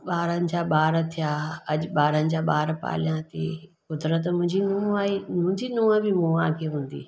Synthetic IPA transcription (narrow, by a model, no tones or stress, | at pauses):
ɓaːɾənɪ̆d͡ʑaːɓaːɾt̪ʰijaːɐʄɓaːɾənɪ̆d͡ʑaːɓaːɾpa̰ːljãt̪ḭ | kʊd̪ɾət̪mʊ̃ɦɪ̃ɲd͡ʑinũːaːimʊ̃ɲd͡ʑinũːə̃bɪmũːãːkʰeɦũːn̆d̪ḭː